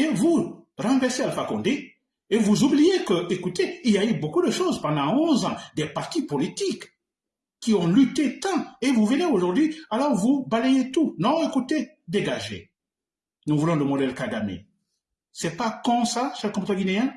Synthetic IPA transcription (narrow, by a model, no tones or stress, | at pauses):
evuʁɑ̃vɛʁsealəfakɔ̃d̪e | evuzublijekəekut̪eiljaybokud̪əʃozpɑ̃d̪ɑ̃ɔ̃zɑ̃d̪ɛpaʁt̪ipɔlit̪ik | kːiɔ̃lyt̪et̪ɑ̃evuvəneoʒuʁd̪ɥialɔʁvubalejet̪unɔ̃ekut̪e | d̪eɡaʒḛ | nuvulɔ̃ləmɔd̪ɛlkad̪amḛ | sɛpakɔ̃saʃɛlkɔ̃pit̪ɛʁɡineɛ̃